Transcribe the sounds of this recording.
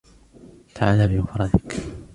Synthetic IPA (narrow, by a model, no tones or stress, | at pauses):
t̪ʰaʕalaːbɪmafɾˤɑd̪ɪk